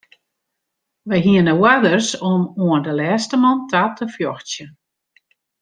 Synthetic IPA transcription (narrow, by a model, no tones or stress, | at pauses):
ʋəjɦiənəwadərsɔmoəndəlɛːstəmɔntʰatʰəfjɔxt͡sjən